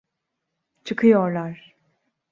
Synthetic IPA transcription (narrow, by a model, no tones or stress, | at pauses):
t͡ʃʰɯkʰɯjoɾlˠaɾ̥